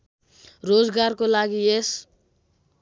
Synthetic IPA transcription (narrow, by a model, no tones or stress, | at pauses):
rod͡zɡarkolaɡies